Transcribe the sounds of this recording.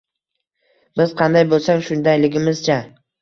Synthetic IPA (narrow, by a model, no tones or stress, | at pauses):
bɪz̥qʰɑnd̪ajbolˠsaŋʃʊnd̪ajlɪɡʲɪmɪz̥t͡ʃʰa